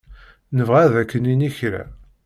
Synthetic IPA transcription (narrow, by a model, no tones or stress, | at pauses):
nəvʁæðækːəniniçɾæ̰